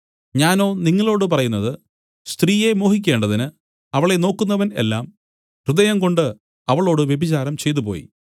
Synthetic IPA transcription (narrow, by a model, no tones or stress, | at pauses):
ɲaːno̞ːniŋːɐɭo̞ːɽɨpɐrɐjunːɐðɨ | st̪riːje̞mo̞ːhikʲːe̞ːɳɖɐðinɨ | ɐʋɐɭe̞no̞ːkːunːɐʋɐne̞̰lːaːm | krɨðɐjɐmko̞ɳɖɨ | ɐʋɐɭo̞ːɽɨʋjebit͡ɕaːɾɐmt͡ɕe̞jt̪̬upo̞̰ːjḭ